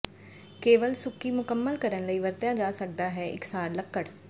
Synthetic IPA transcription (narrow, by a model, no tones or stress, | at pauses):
keːʋəlsʊkiːmʊkəmːəlkəɾənləiːʋəɾt̪jãːd͡ʒaːsək̚d̪aːɦɛːʔɪ̰ksaːɾləkːəɽ